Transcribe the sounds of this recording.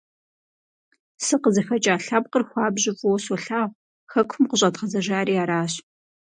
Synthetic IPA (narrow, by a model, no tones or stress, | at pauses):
sɨqəzɐxɐt͡ʃʼaːɬap̚qərxʷɑːbʑɪfʼʊwsɔɬaːw | xɐkʷʰʊmqəɕʼɐtqɐzɐʒaːɾiːaːɾaːɕ